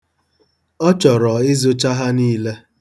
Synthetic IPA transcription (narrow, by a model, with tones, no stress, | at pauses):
ɔ˦t͡ʃɔ˨ɾɔ˨ɪ˦zo˦t͡ʃa˦ɦa˦niː˦le˦